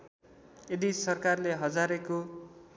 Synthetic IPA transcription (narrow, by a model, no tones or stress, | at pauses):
ed̪isʌrkarleɦʌd͡zaɾeko